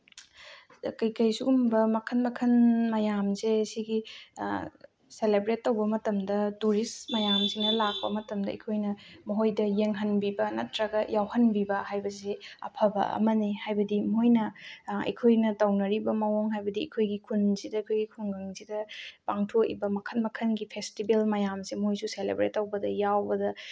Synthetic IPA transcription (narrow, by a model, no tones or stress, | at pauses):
kɐjkɐjsuɡumbɐmɐkʰɐnmɐkʰɐnmɐjamzesiɡi | selebɾetːɐwbɐmɐtɐmdɐtuɾismɐjamsinɐlak̚pɐ̰mɐtɐmdɐɐ̰jkʰojnɐmɐɦojdɐjeŋɦɐnbibɐnɐtɾɐɡɐjawhɐnbibɐhajbɐseɐ̰pʰɐbɐ̰ɐ̰mɐnihajbɐdimojnɐɐ̰jkʰojnɐtɐwnɐɾibɐmɐwoŋɦajbɐdiɐ̰kʰojɡikʰunzidɐɐkʰojɡikʰunɡaŋzidɐpaŋtʰoʔḭbɐmɐkʰɐnmɐkʰɐnɡipʰestibelmɐjamsimɦojsuselḛbɾetːɐwbɐdɐjawbɐdɐ